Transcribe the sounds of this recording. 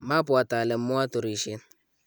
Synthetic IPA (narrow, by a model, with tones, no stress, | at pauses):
ma˦pʊ˨a˨ta˨lɪ˨m˦mʊ˦a˦tʊ˨ɾi˨ʃɪ˦n